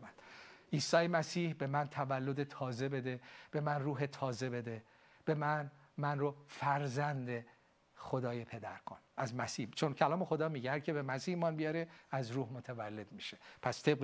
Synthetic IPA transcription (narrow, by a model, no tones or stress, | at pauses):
ænd̪̥ʔiːsɒːjemæsiːhbe̞mænt̪ʰævælːod̪et̪ʰɒːze̞be̞d̪eb̥e̞mænruːɦet̪ʰɒːze̞be̞d̪e̞ | b̥e̞mæn | mænrofæɾzænd̪e̞ | xod̪ɒːjepʰe̞d̪æɾkʰonæzmæsiːht͡ʃʰo̞ncʰælɒːmexo̞d̪ɒːmiɟæɾkʰe̞bemæsiːhmɒnbijɒːɾeæzɾuːhmot̪ʰævælːe̞d̪miʃepʰæst̪ʰe̞b̚ɣ